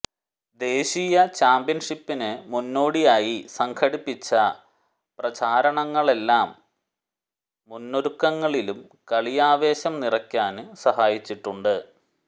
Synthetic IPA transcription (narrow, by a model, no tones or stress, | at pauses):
d̪e̞ːɕijɐt͡ɕaːmbijɐnʂipːinɨmunːo̞ːɽijaːjisɐŋkʰɐɽipːit͡ɕːɐ | prɐt͡ɕaːɾɐɳɐŋːɐɭe̞lːaːm | unːoɾukːɐŋːɐɭilum | kɐɭijaːʋe̞ːɕɐmnirɐkʲːaːnɨsɐhaːjit͡ɕːiʈːuɳɖɨ